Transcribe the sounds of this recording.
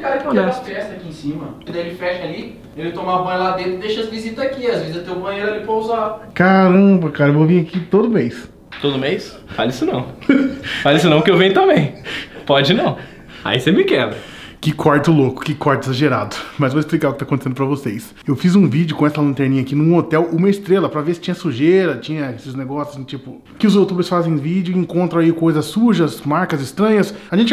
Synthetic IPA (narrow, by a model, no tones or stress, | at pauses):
kaɾɐk̪ɛaɾɛst̪ɐkiẽsĩmɐkɐ̃nd̪ɐelɪfɛʃɐali | elɪt̪õmabɐ̃j̃lad̪ẽt̪ɾɪd̪eʃɐzvizit̪ɐzakiazvezɪzɐt̪ewbɐ̃j̃eɾalipɾɐuzakaɾɐ̃bɐkaɾɐevovĩakit̪od̪ʊmejs | t̪od̪ʊmejs | falisʊnɐ̃w̃ | falis̬ʊnɐ̃w̃kɪewvẽj̃ʊt̪ɐ̃mbẽj̃pɔd͡ʒɪnɐ̃w̃ | a̰isemɪkɛb̪ɐ | kɪkwaɾt̪ʊlokʊ̥kɪkwaɾt̪ʊezaʒeɾa̰d̪ʊmɐzvoɪsplikaɾʊkɪt̪akõt̪esẽd̪ʊp̬ɾɐvosejs | ewfizũvid͡ʒʊkõɛsɐlɐ̃nt̪ɛɾnĩɲɐakinʊ̃ot̪ɛwũmɐɪst̪ɾelɐpɾɐvesɪ̥t͡ʃĩɲɐsuʒeɾɐt͡ʃĩɲɐesɪzneɡɔsjʊzt͡ʃipʊ | kɪʊzowt̪ubeɾsfazẽj̃vid͡ʒʊẽŋkõnt̪ɾɐ̃aikojzɐsuʒɐsmaɾkɐzɪst̪ɾɐ̃ɲɐsaʒẽnt͡ʃɪ